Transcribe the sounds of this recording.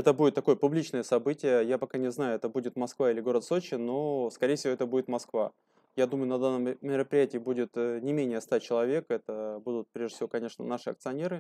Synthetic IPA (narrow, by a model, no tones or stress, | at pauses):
ɛt̪əbudʲɪt̪ːɐko̞jəpʊblʲit͡ɕnəjəsɐbɨtʲɪjəjapɐkanʲɪznajʊɛt̪əbudʲɪt̪mɐskvailʲɪɡo̞ɾət̪sot͡ɕɪno̞skɐɾʲejəfsʲɪvoɛt̪əbudʲɪt̪mɐskva | jad̪uməjʊnɐd̪anːəmmʲɪɾəpɾʲɪjætʲɪːbudʲɪt̪nʲɪmʲenʲɪjəst̪at͡ɕɪlˠɐvʲe̞kɛt̪əbud̪ʊt̪̚pɾʲeʐʲɪfsʲɪvo̞kɐnʲe̞ʂnə̰naʂɨɐ̰k̚t̪sɨɐnʲe̞ɾɨ